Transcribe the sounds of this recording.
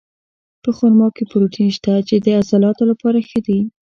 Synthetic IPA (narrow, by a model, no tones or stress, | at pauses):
pəxoɾmɑkepʊɾoʈʰinʃt̪at͡ʃed̪əasalɑt̪olapɑɾaxəd̪i